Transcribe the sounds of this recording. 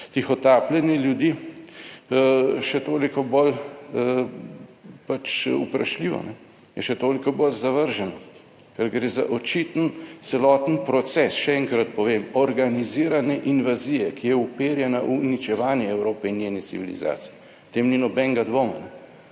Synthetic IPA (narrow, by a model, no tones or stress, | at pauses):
t̪ixɔt̪aːplɛniljud̪i | ʃɛt̪oːlikɔbol | pat͡ʃṵpɾa̰ʃliːʋɔ̰nɛ | jɛʃɛt̪oːlikɔbolzaʋəɾʒɛnɔ | kɛɾɡɾeːza̰ʔɔt͡ʃit̪ənt̪sɛlɔːt̪ənpɾɔt̪sɛsʃɛɛŋkɾat̪̚pɔʋeːmɔɾɡaniziːɾanɛʔinʋazijɛkijɛupeːɾjɛnaʔunit͡ʃɛʋaːnjɛɛwɾoːpɛinjeːnitsḭʋilḭza̰ːt̪si̥ji | t̪eːmninɔbɛŋɡad̪ʋoːmanɛ